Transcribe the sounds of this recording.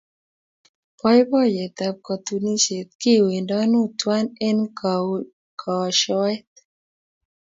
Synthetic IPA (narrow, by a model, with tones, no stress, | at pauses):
pɔ˦jbɔ˦jɛ˨t̪a˨p̚kɔ˨t̪u˨ni˦ʃe˨t̪̚ki˦˨we˨ndɔ˦nu˦twa˦nɛ˦nk | kʰɔ˨ɔ˨ʃɔ˦wɛ˦t̪